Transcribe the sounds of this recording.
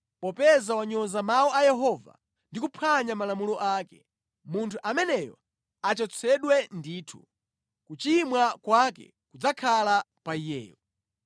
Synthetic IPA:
pɔpɛzawaɲɔzamawɔajɛɦɔva̰ | ndikupʰaɲamalamulɔʔaːkɛ | muntʰuʔamɛnɛjɔ̰ | at͡ʃɔt͡sʰɛɗwɛndiːtʰu | kut͡ʃimwakwakɛ̰ | kud͡zakʰala | paijɛ̰ːjɔ

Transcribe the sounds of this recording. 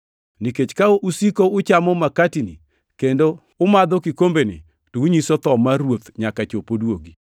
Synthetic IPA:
niket͡ʃkaoʔusikoʊt͡ʃamɔmakatinḭ | kendo | ʊmad̪ɔkikombenḭ | touɲisɔt̪ɔmaɾwot̪ɲakat͡ʃopodwoɡi

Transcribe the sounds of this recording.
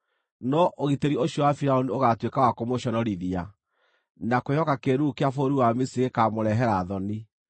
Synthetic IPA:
nɔʔoɣiteɾioɕjɔwafiɾaonioɣatwekawakomoɕɔnɔɾiðia | nakojɔkakeɾukeafoɾuwamisiɣekamoɾɛɦɛɾaðɔni

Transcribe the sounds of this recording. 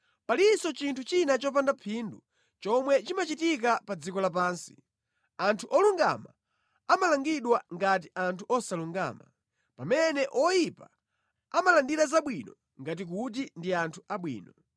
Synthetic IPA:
palisɔt͡ʃintʰut͡ʃinat͡ʃɔp̬andapʰindu | t͡ʃɔmwɛt͡ʃimat͡ʃitikapad͡zikɔlap̬aːnsi̥̰ | antʰuʔɔluŋɡa̰ma̰ | amalaŋɡiɗwaŋɡat̬iʔantʰuʔɔsaluŋɡa̰ːma̰ | pamɛnɛʔɔjipa̰ | amalandiɾazaɓwinɔ | ŋɡat̬ik̬ut̬indiantʰuʔaɓwḭːnɔ

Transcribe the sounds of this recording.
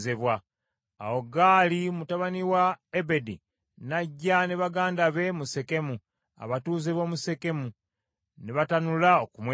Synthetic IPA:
zeβwa | a̰woɡaːlimutaβaniwaebe̞di | naɟːaneβaɡaːndaβe̞muse̞ke̞mu | a̰βatuːzeβo̞ːmuse̞ke̞mu | neβatanulaokumwe

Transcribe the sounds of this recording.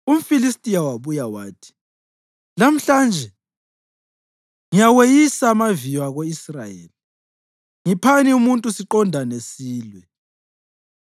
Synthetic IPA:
um̩filistʼijawaβujawa̰ːtʰi̥ | lam̩ɬand͡ʒʱɛ | ŋijawejisamavijwaɣoisrajḛːli | ŋipʰaniumuntʼusiǃɔndʱanesiːlwɛ

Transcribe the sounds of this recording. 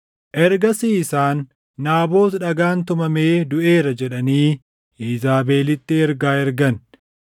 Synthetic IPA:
ʔɛɾɡɐsiːsaːnː | aːbo̞ːt̪ᶑɐɡaːnt̪ʊmɐme̞ːd̪ʊʔe̞ːɾɐd͡ʒɛᶑɐniː | ʔiːzaːbe̞ːlɪt̪ːɪɛɾɡaːɛɾɡɐn

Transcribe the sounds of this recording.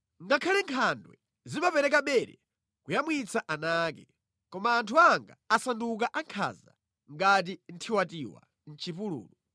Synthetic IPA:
ŋɡakʰalɛŋkʰandwɛ | zimapɛɾɛkaɓɛɾɛ̰ | kujamwit͡sʰaʔanaːkɛ | kɔmaːntʰuaŋɡa̰asanduk̬aʔaŋkʰa̰ːza̰ | ŋɡat̬in̩tʰiwatiwa̰ | n̩t͡ʃʰipulṵːlu

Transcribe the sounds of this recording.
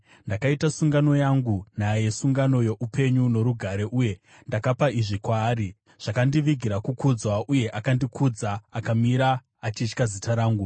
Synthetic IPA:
ndakaitasuŋɡano̞jaŋɡunaje̞suŋɡano̞jo̞ʔupʰe̞ɲuno̞ɾuɡʱaɾe̞ʔuje̞ | ndakapaiʐikwaːɾi | ʐ̥akandiʋiɡʱiɾakukud͡zwaʔuje̞ʔakandikʰud͡zaːkamiɾaː | t͡ʃit͡ʃkazitaɾaːŋɡu

